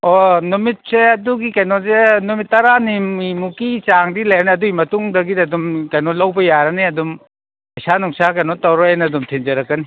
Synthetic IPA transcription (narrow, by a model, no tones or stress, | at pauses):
onumit̚seɐduɡikɐjnozenumitːɐɾanimimukit͡ʃaŋdilajɐniɐduimɐtuŋdɐɡidɐdumkɐjnolɐwbɐjaɾɐniɐdum | pɐjsanuŋsakɐjnotɐwɾɔenɐːdumtʰind͡ʒɐɾɐkːɐni